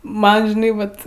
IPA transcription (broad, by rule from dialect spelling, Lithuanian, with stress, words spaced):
ˈmɐn ʒʲɪˈnɐɪ ˈʋɐt